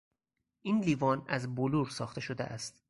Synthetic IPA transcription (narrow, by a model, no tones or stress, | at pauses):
ʔiːnliːvɒːnæzboluːɾsɒːxt̪e̞ʃod̪eʔæst̪